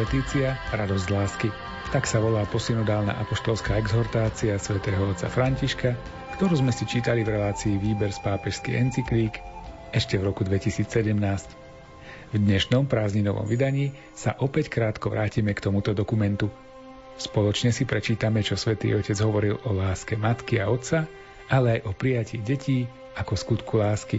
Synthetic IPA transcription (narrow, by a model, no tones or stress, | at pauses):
ɛt̪iːt͡siaɾad̪ɔzɟlaːski | t̪aksaʋɔlaːpɔsinɔd̪aːlna̰ːʔapɔʃt̪ɔlskaːɛɡzɔɾt̪aːt͡siasʋɛt̪ɛːɦɔɔt͡sa̰fɾaɲciʃka | kt̪ɔɾuːzmɛsit͡ʃiːt̪alivɾɛlaːt͡siːʋiːbɛɾspaːpɛʃskḭɛnt͡sikliːk | ɛʃcɛvɾɔkud̪ʋɛcisiːt͡ssɛɟɛmnaːsc | vd̪ɲɛʃnɔmpɾaːzɲinɔʋɔ̰mʋid̪aɲiː | sa̰ʔɔpɛckɾaːt̪kɔʋɾaːciːmɛkt̪ɔmut̪ɔd̪ɔkumɛnt̪u | spɔlɔt͡ʃɲɛsipɾɛt͡ʃiːt̪amɛt͡ʃɔsʋɛt̪ḭːɔcɛd͡zɦɔʋɔɾilɔlaːskɛmat̪kiaɔt̪sa | alɛajʔɔpɾijaciːɟɛciː | akɔskut̪kʰulaːski